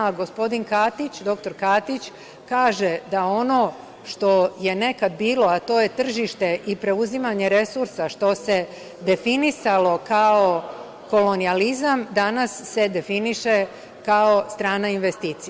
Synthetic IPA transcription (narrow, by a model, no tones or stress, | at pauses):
ɡo̞spo̞d̪inkat̪it͡ɕd̪o̞kt̪o̞ɾkat̪it͡ɕ | kaːʒe̞d̪ao̞no̞ | ʃt̪o̞je̞ne̞kad̪biːlo̞at̪o̞ːje̞t̪r̩ʒiʃt̪e̞ʔipɾe̞uzimaɲe̞ɾe̞suɾsaʃt̪o̞se̞ | d̪e̞finisalo̞kao̞ | ko̞lo̞nializamd̪anasːe̞d̪e̞finiʃe | kao̞st̪ɾaːnainʋe̞st̪iːt̪sia